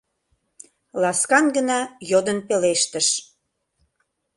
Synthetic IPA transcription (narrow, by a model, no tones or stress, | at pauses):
lɑskɑnɡənɑjod̪ənpeleʃt̪əʃ